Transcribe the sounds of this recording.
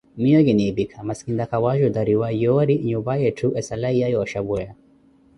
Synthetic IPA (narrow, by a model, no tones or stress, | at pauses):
mijoɡenebikʰɐmɐskind̪ɐkʰɐwaːʒud̪ɐɾiwajoːɾiɲubajeʈʰuʔesɐlɐijajoɕɐbuja